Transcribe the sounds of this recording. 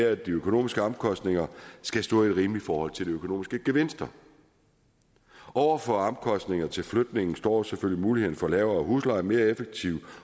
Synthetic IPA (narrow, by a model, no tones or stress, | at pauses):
d̥iøkʰo̝no̝̰ːmisɡ̥əɑmkʰɒ̽sd̥ne̝ŋɐsɡ̥æsd̥ɔ̰̽ːied̥ʁiːmlifɒːhɒ̽l̰t͡sʰe̝ldiøkʰo̝no̝̰ːmisɡ̥əɡ̥e̝ʋe̝n̰sd̥ɐ | ɒʊ̰ɐfɒ̽ɑmkʰɒ̽sd̥ne̝ŋɐt͡sʰe̝lflød̥̚ne̝ŋn̩sd̥ɒ̰ːseføljimuːlihe̝ð̰ˠn̩fɒ̽lɛːʊɐːɦuslɑ̈ɪme̝ːɐefeɡ̥̚t͡sʰiʊ